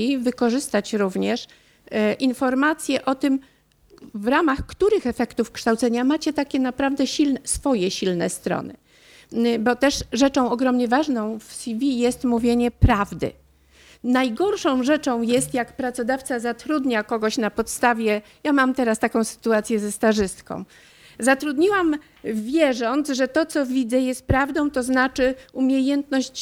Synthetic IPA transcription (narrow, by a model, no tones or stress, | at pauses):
ivɘkɔʐɘst̪at͡ɕɾuvɲɛʂ | ʔinfɔɾmat̪sʲjɛʔɔt̪ɘm | vɾamaxkt̪uɾɘxɛfɛkt̪ufkʂt̪awt̪sɛɲamat͡ɕɛt̪akʲɛnapɾavd̪ɛɕilnɛsfɔjɛɕilnɛ̰st̪ɾɔ̰nɘ̰ | bɔt̪ɛʂʐɛt͡ʂɔ̃w̃ɔɡɾɔmɲɛvaʐnɔ̃w̃fsʲivʲijɛst̪muvʲjeɲɛpɾavd̪ɘ̰ | najɡɔɾʂɔ̃w̃ʐɛt͡ʂɔ̃w̃jɛst̪jakpɾat̪sɔd̪aft̪sazat̪ɾud̪ɲakɔɡɔɕnapɔt̪st̪avʲjɛ | jamamt̪ɛɾast̪akɔ̃w̃sɘ̥t̪uat̪sʲjɛzɛst̪aʐɘst̪kɔ̰̃w̃ | zat̪ɾud̪ɲiwam | vʲjɛʐɔnt̪zʐɛt̪ɔt̪sɔvʲid̪zɛjɛst̪̚pɾavd̪ɔ̃w̃t̪ɔznat͡ʂɘumʲjejɛnt̪nɔɕt͡ɕ